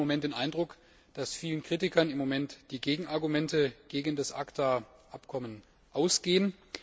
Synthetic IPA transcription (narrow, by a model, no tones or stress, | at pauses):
omɛnt̚d̥eːnʔaɪndʁʊk | d̥asfiːlənkʁ̥itɪkɐnɪmːomɛntd̥iːɡeːɡŋ̩aɐɡumɛntəɡ̥eːɡəndasʔaktʰaʔapkʰɔmən | ʔaʊsɡ̥eːən